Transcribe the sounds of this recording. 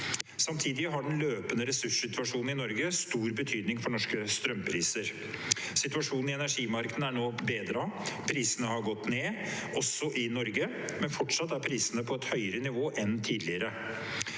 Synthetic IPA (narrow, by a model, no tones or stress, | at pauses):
sɑmt̪ʰiːd̪ɪɦɑɖɛnløːpənəɾɛsʉʂsɪt̪ʉɑʂuːnn̩ɪnɔɾɡəst̪uːɾbət̪ʰyːd̪nɪŋfɔɳɔʂkəst̪ɾœmpʰɾiːsəɾ | sɪt̪ʉʋɑʂuːnn̩ɪɛnæʂiːmɑɾkəd̪n̩æɳoːbeːd̪ɾɑpʰɾiːsənəhɑɾɡɔt̪ːneːʔɔsɔʔɪnɔɾɡə | mɛnfɔʈʂɑt̪ːæɾpʰɾiːsənəpʰɔɛt̪hœʏəɾənɪʋoːʔɛnt̪ʰiːd̪lɪəɾə